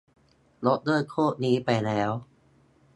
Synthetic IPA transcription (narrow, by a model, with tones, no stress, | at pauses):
lo˦˥t̪̚dɤː˥˩kʰoː˥˩t̪̚niː˦˥pa˧jlɛː˦˥w